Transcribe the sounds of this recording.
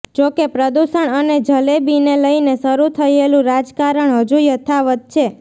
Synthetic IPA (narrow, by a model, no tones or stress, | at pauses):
d͡ʒokepɾəd̪usəɳəned͡ʒʱəlebineləinesəɾut̪ʰəjelũɾad͡ʒkaɾəɳɦəd͡ʒujət̪ʰaʋət̪̚t͡ʃʰe